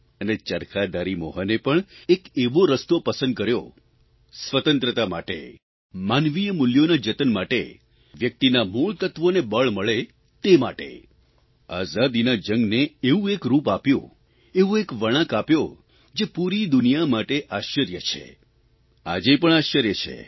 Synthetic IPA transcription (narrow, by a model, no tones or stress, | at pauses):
ənet͡ʃəɾkʰad̪aɾimɔɦənepəɳekeʋoɾəst̪opəsə̃nd̪̚kəɾjo | sʋət̪ə̃nt̪ɾət̪ama̰ʈḛ | manʋijəmʊljonad͡ʒət̪ənmaʈḛ | ʋjək̚t̪inamuɭt̪ət̪ʋonebəɭməɭe | t̪ema̰ʈḛ | azad̪inad͡ʒəŋɡneːũekɾupapjõ̰ | eũekʋəɽ̃ãkapjo | d͡ʒepuɾid̪ʊnijamaʈeʔaʃəɾjət͡ʃʰḛ | a̰d͡ʒepəɳ̃aʃəɾjət͡ʃʰḛ